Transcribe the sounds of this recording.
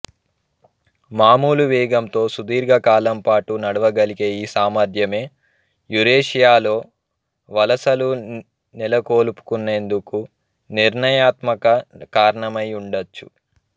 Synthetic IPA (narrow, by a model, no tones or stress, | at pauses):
maːmuːluʋiːɡɐmt̪o̞ːsud̪iːɾɡɐkaːlɐmpaːʈunɐɽɐʋɐɡɐlikeːjiːsaːmɐd̪ʱjɐme̞ː | juɾeːʂijaːlo̞ː | ʋɐlɐsɐlu | nilɐkoːlupu̥kunːe̞ːnd̪uku | niɾɳɐjaːt̪mɐkɐkaːɾɐɳɐmɐjuɳɖɐt͡ʃːṵ